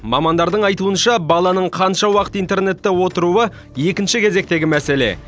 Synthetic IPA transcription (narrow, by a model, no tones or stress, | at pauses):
mɑ̰mɑnd̪ɑɾd̪əɴɑjt̪uənʃɑbɑlˠɑnəɴqʰɑnʃɑwɑqə̥t̪ijnt̪e̞rne̞t̪ːewo̞t̪əɾuə | je̞kʲɪnʃɪkʲʰe̞ze̞k̚t̪e̞ɡʲɪmæse̞le̞̰